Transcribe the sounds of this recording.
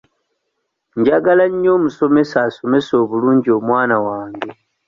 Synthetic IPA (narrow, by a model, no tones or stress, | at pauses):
ɲɟaɡalaɲːo̞ːmuso̞me̞saso̞me̞so̞βuluːɲɟio̞mwaːnawaːŋɡe̞